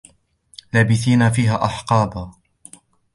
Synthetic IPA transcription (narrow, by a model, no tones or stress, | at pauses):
laːbɪθiːnafiːɦaːʔɑħqɑːba